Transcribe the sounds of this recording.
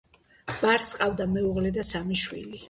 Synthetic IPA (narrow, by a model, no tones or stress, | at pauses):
b̥aɾsqʼavd̪amɛuʁlɛd̪asamiʃwḭli